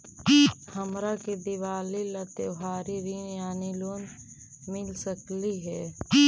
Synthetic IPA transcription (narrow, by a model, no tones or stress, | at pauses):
həmɾakid̪ɪʋaːlilət̪oɦaːɾiɾinjaːniloːn | mɪlsəkliɦɛː